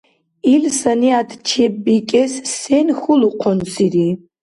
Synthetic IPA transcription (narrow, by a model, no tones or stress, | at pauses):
ilsaniad̪ʰt͡ʃʰebbikʲʼɛssenxʊluqʰɔnsiri